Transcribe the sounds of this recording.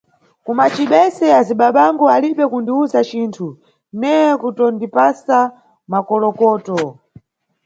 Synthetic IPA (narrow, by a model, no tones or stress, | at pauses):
kumat͡ʃiɓɛsɛaziɓaɓaŋɡɔaliɓɛkundiuzat͡ʃiːntʰu | nɛjɛkutɔndipasa | makɔlɔkɔːtɔ